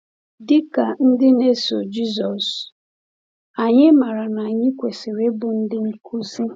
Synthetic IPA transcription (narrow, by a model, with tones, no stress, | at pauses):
dɪ˦ka˨n̩˦dɪ˦ne˦so̰˨d͡ʒi˦zɔ˨s | a˨ɲɪ˦ma˨ɾa˨na˨ɲɪ˦kʷe˨se˨ɾe˦bʊ˨n̩˦dɪ˦ŋ̩˦kʰu˦si˦